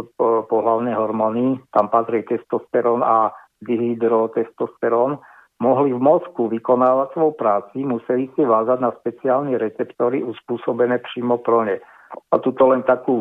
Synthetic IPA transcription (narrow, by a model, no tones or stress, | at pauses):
pɔɦlaʊnɛɦɔɾmɔnit̪ampat̪ɾiɛt̪ɛst̪ɔst̪ɛɾɔna | d̪iɦlid̪ɾɔt̪ɛst̪ɔst̪ɛɾɔn | mɔɦlivmɔskuʋikɔnaːʋacsʋɔjpɾaːt͡simusɛlisiʋaːzaɟnaspɛt͡siaːlnɛɾɛt͡sɛpt̪ɔːɾiʔuspuːsɔbɛnɛːpɾiːmɔpɾɔɲɛ | at̪ut̪ɔlɛnt̪akuː